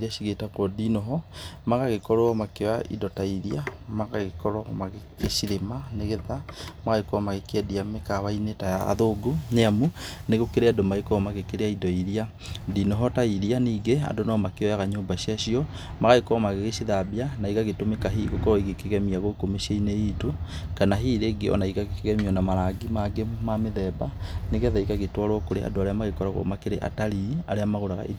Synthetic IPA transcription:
ɾiaɕiɣetakwɔdinɔɦɔmaɣaɣekɔɾɔɔmakewaḭdɔtaiɾiamaɣaɣekɔɾɔmaɣeɣeʃiɾemaneɣeðamaɣaekɔmaɣekɛdiamekaβainetajaa̰ðoɡoneamuneɣokeɾeadomaekɔmaɣekeɾeaidɔiɾia | dinɔɦɔtaiɾianiːɡea̰ndonɔmakeɔjaɣaɲoːmbaʃiaɕiɔ | maɣaikɔmaɣeɣeʃiðabianaiɣaɣetomekaɦiɣokɔɾɔiɣekeɣɛmiaɣokomeʃiainejiːtokanaɦiːɾeɡeɔ̰naiɣaɣekeɣɛmiɔnamaɾaɡimaɡemameðɛbaneɣɛðaikaɣetwaɾwɔkoɾea̰doaɾeamaɣekɔɾaɣo̰makeɾeʔa̰taɾiaɾeamaɣoɾaɣa̰ʔḭd

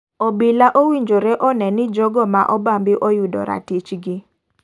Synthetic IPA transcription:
ɔbɪlaʔowiɲd͡ʒoɾɛʔɔnɛnɪd͡ʒɔɡɔmaʔɔbambɪʔɔjudɔ̰ɾa̰tit͡ʃɡɪ

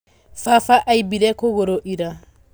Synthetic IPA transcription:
fafaʔaibiɾɛkoɡoɾoʔiɾa

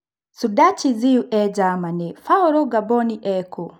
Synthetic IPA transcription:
sudat͡ʃiziuʔɛɟamanefauɾɔɡabɔniʔɛkʰo

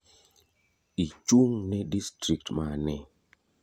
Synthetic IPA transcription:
it͡ʃuŋnɛdistɾik̚tmanɛ

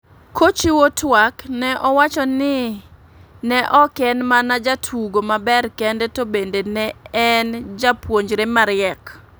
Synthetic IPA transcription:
kot͡ʃiwotwaknɛʔɔwat͡ʃɔnɪ | nɛʔɔkɛnmanad͡ʒatʰuɡomabɛrkɛndɛtobendenɛɛnd͡ʒapwoɲd͡ʒɾemaɾɪɛk

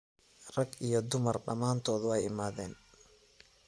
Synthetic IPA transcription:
rɐɡijɔd̪ʊmɐrɖɐmaːnt̪ʰɔːðʊɛjɪmaːðɛːn

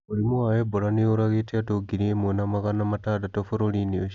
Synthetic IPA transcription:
olimuaebolaneoɾaɣetiatoɡiɾiemwenamaɣanamatadatofoɾolinio

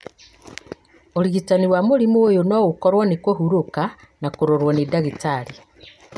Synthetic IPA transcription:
oɾiɣitaniwamuɾimuojonoɣukoɾwanikohuɾoka | nakuɾoɾwonidaɣitaɾi

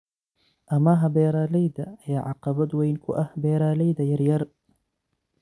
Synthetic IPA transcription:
ʔɐmaɦɐbɛːɾaːlɛjd̪ɐɐjaːʕɑqɑβɐd̪wɛjnkʰʊʔɐhbɛːɾaːlɛjðɐjɐɾjɐr

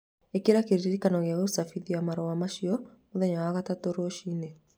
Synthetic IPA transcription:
ekeɾakeɾiɾiɾikanɔɣeɣeusafiðiamaɾɔwamaʃiɔ | oðɛɲawaɣatatoɾoʃiːne

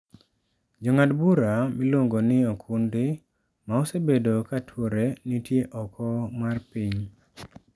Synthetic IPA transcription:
d͡ʒɔŋadbuɾamilwoŋɡonɪokʰundɪ | maɔsebedokatʰwoɾenitjeʔɔkʰɔmarpiɲ

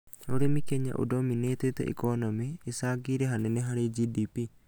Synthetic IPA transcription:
oɾimikeɲːa̰ʔṵdominet̪et̪ɔ̰ʔḭkɔnɔmiːsaɡiɾeɦaneneɦaɾid͡ʒidipi

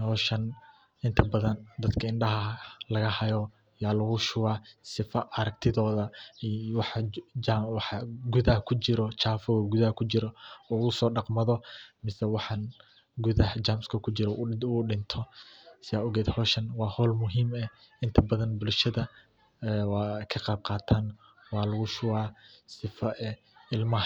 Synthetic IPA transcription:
hɔːʃɐn | ɪnt̪ʰɐbɐðɐnd̪ɐd̪kʰɐɪɳɖɐɦɐlɐɣɐhɐjɔ | jaːlɐɣʊʃʊwaːsɪfɐɐɾɐk̚t̪ʰɪðɔːðɐwɑħ | wɑħɑɡʊðɐhkʰʊt͡ʃɪɾɔt͡ʃaːfɔɣɡʊðɐhkʰʊt͡ʃɪɾɔɔːʊsɔːɖɑqmɐðɔmɪsɛwɑħɑn | ɡʊðɐht͡ʃaːmskʰɐkʰʊt͡ʃɪɾɔuɖɪnt̪ʰɔsɪaːʊɣɛːd̪hɔːʃɐnwɑːhɔːlmʊɦiːmɛ | ɪnt̪ʰɐbɐðɐnbʊlʃɐðɐː | wɑːkʰɐqɑːb̚qɑːt̪ʰaːn | wɑːlɐɣʊʃʊwaːsɪfɐɛ | ɪlmɐ

